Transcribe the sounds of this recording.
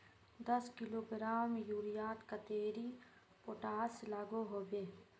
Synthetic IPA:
d̪əskɪloːɡɾaːmjuːɾijaːt̪kət̪eːɾi | poʈaːselaːɡoɦobeː

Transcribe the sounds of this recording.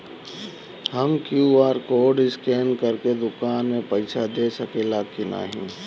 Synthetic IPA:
həmkjuaːɾkoːɖɪskeːnkəɾked̪ʊkaːnmẽpɐɪsʰad̪eːsəkeːlakina̰ːɦḭ̃ː

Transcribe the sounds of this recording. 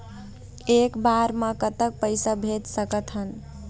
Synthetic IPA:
ekbaɾmə̃kət̪ək̚pəɪsabʱet̪səkət̪ɦən

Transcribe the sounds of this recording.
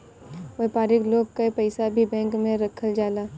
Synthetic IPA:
ʋeːpaːɾɪkloːɡ̚kaipəɪsabʱibɛ̃ːŋkmẽɾɐkʰəld͡ʒaːlaː

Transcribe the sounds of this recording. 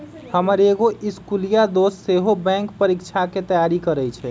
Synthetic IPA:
həməɾeɡoʔiskulijad̪osseɦobɛ̃ŋkpəɾikt͡ʃʰaket̪əjaɾikəɾɛt͡ʃʰɛ

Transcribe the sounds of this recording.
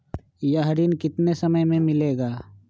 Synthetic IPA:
jaɦɾiːnkɪt̪nesəməjmẽmɪleːɡaː

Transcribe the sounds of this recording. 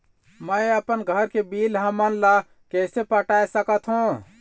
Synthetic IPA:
məəpənɡʱəɾkebiːlɦãmənla | kɛːsepəʈaːesəkət̪ɦũ

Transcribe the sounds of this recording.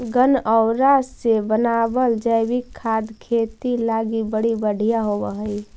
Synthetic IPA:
ɡənəʊɾasebənabəld͡ʒəjbikʰːad̪kʰet̪ilaɡibəɽibəɽ̤ʱijaɦobəɦəi

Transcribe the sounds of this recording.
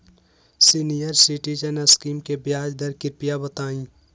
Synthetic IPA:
sinijəɾsiʈit͡ʃənəskiːmkebjaːd͡ʒd̪ɐɾkɪɾpijabɐt̪aːĩː

